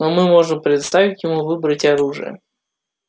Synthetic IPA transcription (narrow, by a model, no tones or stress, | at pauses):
nomɨmo̞ʐɨmpɾʲɪd̪st̪avʲɪtʲjɪmuvɨbɾətʲɐɾuʐɨ̰jə̰